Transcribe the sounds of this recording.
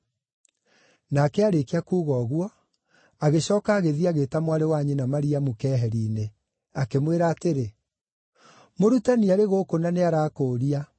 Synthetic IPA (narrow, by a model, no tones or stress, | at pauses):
nakɛaɾekeakuːɣɔːɣwɔ | aɣeɕɔːkaːɣeðiaɣetamwaɾewaɲenamaɾiamukɛɦɛɾiːne | akemweɾaːteɾe | moɾutaniaɾeɣoːkonaneaɾaːkoːɾia